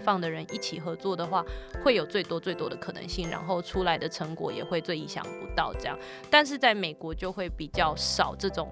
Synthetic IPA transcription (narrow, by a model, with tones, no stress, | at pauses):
fɑ˥˩ŋd̪ə˩ɻə˧˦ni˥˩t͡ɕʰi˨˩xɤ˧˥t͡swɔ˥˩d̪ə˩xwa˥˩xwe˥˩ɪjo˨˩ʊt͡swe˥˩ɪt̪wɔ˥t͡swe˥˩ɪt̪wɔ˥d̪ə˨kʰɤ˨˩nə̰˧˦ŋɕi˥˩ŋɻa̰˧˥nxo˥˧ʊʈ͡ʂʰu˥la˧˦ɪd̪ə˨ʈ͡ʂʰə˧˥ŋkwɔ̰˨˩˦jɛ̰˨˩xwe˥˧ɪt͡swe˥˧ɪi˧˥ɕjɑ̰˨˩ŋpu˧˥t̪ɑ˥˩ʊʈ͡ʂɤ˥˧jɑ̰˥˨ŋ | t̪a˥˧nʂ̬ɻ̩˥˧t͡sa˥˩ɪme˨˩ɪkwɔ˧˥t͡ɕjo˥˧ʊxwe˥˩ɪpi˨˩t͡ɕjɑ˥˩ʊʂɑ˨˩ʊʈ͡ʂɤ˥˩ʈ͡ʂʊ˨˩ŋ